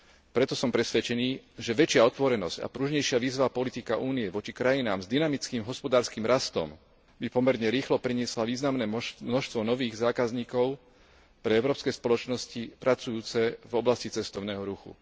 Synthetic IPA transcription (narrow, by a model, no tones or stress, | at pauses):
pɾɛt̪ɔsɔmpɾɛsʋɛt͡ʃɛniːʒɛʋɛt͡ʃɪaɔt̪ʋɔɾɛnɔzca̰pɾuːʒɲɛjʃɪaʋiːzʋaːpɔlit̪ika̰ʔuːniɛʋɔt͡ʃikɾajinaːmzd̪inamit͡skiːmɦɔspɔd̪aːɾskiːmɾast̪ɔ̰m | bipɔmɛɾɲɛɾiːxlɔpɾiɲɪɛslaʋiːznamnɛːmnɔʃt̪ʋɔnɔʋiːɣzaːkazɲiːkɔʊ | pɾɛɛʊɾɔːpskɛspɔlɔt͡ʃnɔscipɾat͡sujuːt͡sɛvɔblascit͡sɛst̪ɔʊnɛːɦɔɾuxṵ